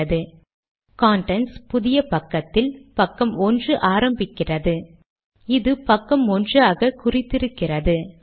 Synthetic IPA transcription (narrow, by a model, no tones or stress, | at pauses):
ɐðɯ | kaːɳʈɛnspʊðɪjɐpɐkːɐt̪ːɪlpɐkːɐmɔndrɯʔaːɾɐmbɪkːɪrɐðɯ | ɪðɯpɐkːɐmɔndraːɣɐkʊrɪt̪ːɪɾɯkːɪrɐðɯ